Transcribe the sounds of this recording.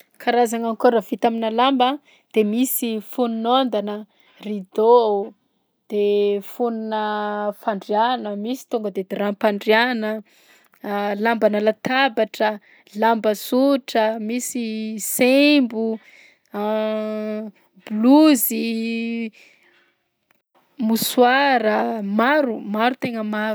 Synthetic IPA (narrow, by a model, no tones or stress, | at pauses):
kʰaɾazaŋankoɾavit̪aminalambə | d̪̥emisifununond̪anə | rid̪o | d̪̥efuninəfaɳɖ͡ʐianəmisi̥t̪uŋɡəd̪ed̪eɾapaɳɖ͡ʐianə | lambanalat̪abaʈ͡ʂə | lambəsuʈ͡ʂəmisisembu | bluzi | muswaɾəmaɾumaɾut̪eŋəma